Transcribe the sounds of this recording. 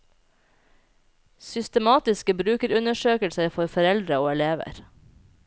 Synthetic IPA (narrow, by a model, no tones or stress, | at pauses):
sʏst̪əmɑːt̪ɪskəbɾʉːkəɾʉnəʃøːkəlsəɾfɔɾfɔɾɛld̪ɾəoːɛleːʋə̰ɾ